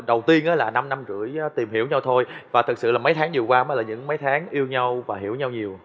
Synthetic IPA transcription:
ɗə˨˩wt̪i˧ənʔaː˨˦laː˨˩na˧mna˧mzɨ̰˧˩˨əjt̪i˨˩mɦi˧˩əwɲa˧wt̪ʰo˧jvaː˨˩t̪ʰɨ˨˩k̚sɨ̰˧˨laː˨˩m˨˦jt̪ʰaː˨˦ŋɲɨ˨˩əwkwaː˧ma˨˦laː˨˩ɲɨ̰˧˥ŋmə˨˦jt̪ʰaː˨˦ŋʔi˧əwɲa˧wvaː˨˩ɦḭ˧˩əwɲa˧wɲi˨˩əw

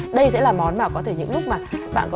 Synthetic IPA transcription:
ɗə˧jsɛ̰˧˥laː˨˩mɔ˨˦nmaː˨˩kɔ˨˦t̪ʰe˧˩ɲɨ̰˧˥ŋlʊ˦˥k͡p̚maː˨˩ɓa̰ː˧˨nkɔ˨

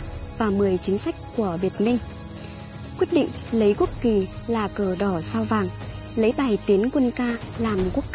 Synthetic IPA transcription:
vaː˨˩mɨ˨˩əjt͡ɕï˨˦ŋ̟sa˦˥jk̚ku˧˩əɓi˨˩ət̚mï˧ŋ̟ | kwi˦˥t̚ɗḭ˧˨ŋ̟ | lə˨˦jku˦˥ək̚ki˨˩ | laː˨˩kəː˧˩ɗɔ˧˩saː˧wvaː˨˩ŋ | lə˨˦jɓaː˨˩jt̪i˨˦ənkwə˧nkaː˧ | laː˨˩mku˦˥ək̚

